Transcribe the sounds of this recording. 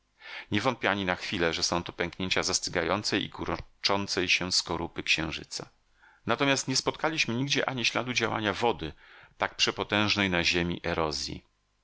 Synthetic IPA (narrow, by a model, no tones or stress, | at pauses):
ɲɛvɔnt̪pʲiaɲinaxfʲilɛʐɛsɔ̃w̃t̪ɔ̥pʲɛ̃ŋkɲeɲt͡ɕazast̪ɘɡajɔnt̪sɛjʔḭkuɾɔt͡ʂɔnt̪sɛjɕɛskɔɾupɘkɕɛ̃w̃ʐɘ̰t̪sa | nat̪ɔmʲjast̪ɲɛspɔt̪̚kalʲiɕmɘɲiɡd͡ʑɛʔa̰ɲiɕla̰d̪ud͡ʑawa̰ɲavɔd̪ɘt̪ak̚pʂɛpɔt̪ɛ̃w̃ʐnɛjnaʑemʲḭʔɛɾɔzʲjḭ